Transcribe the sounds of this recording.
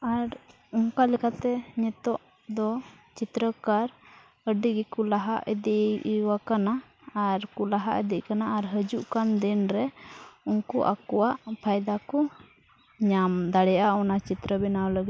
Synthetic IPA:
aɾ | uŋkalɛkat̪ɛɲɛt̪ɔʔ | d̪ɔ | t͡ʃit̪ɾəkaɾ | əɖiɡɛkulaɦaʔəd̪iʔwakanaː | ɾkulaɦa̰ʔəd̪iʔkanaːɾɦəd͡ʒuʔkand̪ɛnɾɛunkuʔa̰kɔwaʔpʰajd̪akɔ | ɲamd̪aɽɛjʔaɔnat͡ʃit̪ɾəbɛnawləɡit̪

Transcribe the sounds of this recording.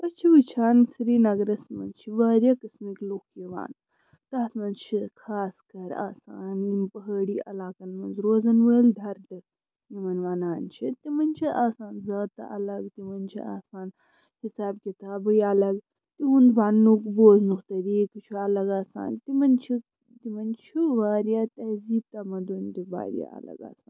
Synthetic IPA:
ɐt͡ʃʰiʋɨt͡ʃʰaːnsiɾiːnɐɡɾɐsmɐ̰nt͡ʃʰiʋaːɾjakɐsmikloːkʰːiʋa̰ːn | t̪aːt̪ʰmɐnzt͡ʃʰikʰaːskɐɾa̰ːsaːninpɐɦəːɽiːʔɐ̰laːkɐnmɐnzɾoːzɐnʋəːld̪ʱɐɾd̪ɐ | nimɐnʋaːnaːnt͡ʃʰit̪imɐnt͡ʃʰiʔaːsaːnzaːt̪ɐ̰ʔɐ̰lɐɡt̪imɐnt͡ʃʰḭa̰ːsaːn | hisaːbkit̪aːbɨjɐlɐɡ | t̪iɦund̪ʋanːukboːznukt̪ɐɾiːkt͡ʃʰuɐlɐɡaːsa̰ːnt̪imɐnt͡ʃʰi | t̪imɐnt͡ʃʰiʋaːɾjaːt̪ɐziːb̚t̪ɐmɐd̪und̪iba̰ːɾja̰ɐ̰lɐ̰ɡa̰ːsaːn

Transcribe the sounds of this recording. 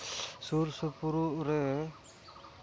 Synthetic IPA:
suɾsupuɾuʔɾɛ

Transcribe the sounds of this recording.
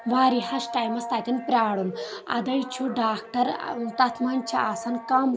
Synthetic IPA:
ʋaːɾihɐsʈaːjmɐst̪aːt̪inpɾʲaːɽunɐ̰d̪ɐjt͡ʃʰuɖaːk̚ʈɐɾ̰unt̪at̪ʰmɐnt͡ʃʰiaːsɐnkɐm

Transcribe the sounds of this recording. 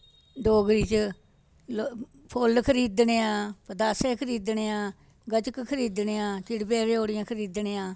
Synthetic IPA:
ɖoːɡɾiːt͡ʃ | pʰolkʰəɾiːd̪neːãːpəd̪aːsẽːkʰəɾiːd̪neːãː | ɡət͡ʃəkkʰəɾiːd̪ɳeːãːt͡ʃɪɽpeːɾeːoːɽɪjãːkʰəɾiːd̪neːãː

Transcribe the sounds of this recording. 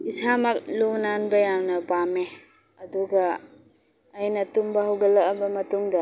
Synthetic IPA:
isʰamɐk̚lonanbɐjawnɐpame | ɐduɡɐː | jnɐtumbɐɦɐwɡɐlːɐkɐbɐmɐtuŋdɐ

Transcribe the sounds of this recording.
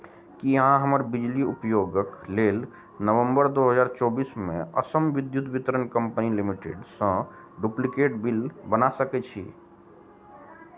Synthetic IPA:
kijəɦãɦəməɾbid͡ʒliupjoɡəkleːl | nəʋə̃mbəɾd̪oɦəzaːɾt͡ʃɔːbiːsmḛ̃ə̰səmʋɪd̪jut̪ʋit̪əɾənkə̃mpənilimiʈḛɖsə̃ | ɖuplikeʈbilbənasəkɛt͡ʃʰḭ

